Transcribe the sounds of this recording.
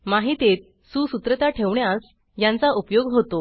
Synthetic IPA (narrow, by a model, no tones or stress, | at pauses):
maɦit̪et̪̚ | susut̪ɾət̪aʈʰeʋɳjas | jãnt͡saʔupjoɡɦot̪o